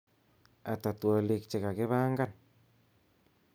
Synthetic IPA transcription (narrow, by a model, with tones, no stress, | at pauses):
a˨ta˨twɔ˨li˨k̚t͡ʃe˨ka˨kɪ˦βa˦ŋɡa˦˨n